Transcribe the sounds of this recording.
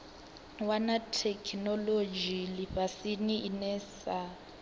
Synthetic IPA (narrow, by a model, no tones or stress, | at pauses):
wanatʰɛkʰnɔlod͡ʒiliɸasiniinɛsa